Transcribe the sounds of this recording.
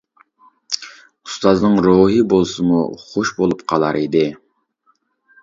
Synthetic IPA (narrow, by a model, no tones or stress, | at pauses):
u̥st̪ɑznɨŋɾoɦɨbolˠsɨmṵχoʃbolˠupqʰɑlˠɑɾid̪ɪ